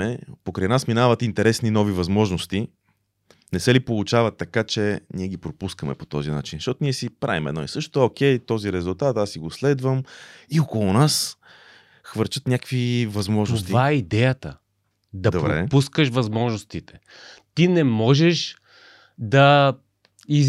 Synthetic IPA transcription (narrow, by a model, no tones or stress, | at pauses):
ɛpokɾɐjnasminavɐt̪int̪ɛɾɛsninɔvivɐzmɔʒnost̪i | nɛsɛlipolˠut͡ʃavɐt̪ːɐkat͡ʃɛniɛɡipɾopuskəmɛ̰pot̪ɔzina̰t͡ʃinʃt̪ɔt̪oniɛsipɾʔa̰vimɛ̰d̪nɔ̰ḭsɤʃt̪o̥t̪ok̟ɛjt̪ɔziɾɛzulˠt̪at̪asiɡoslɛd̪vəmiokolˠunas | xvɤɾt͡ʃət̪nʲakvivɐzmɔʒnost̪ivaɛid̪ɛjət̪ə | d̪ɐd̪bpbɾoɛ̰puskəʃvɐzmɔʒnost̪it̪ɛ̥ | t̪inɛmɔʒɛʃ | d̪ɐ | i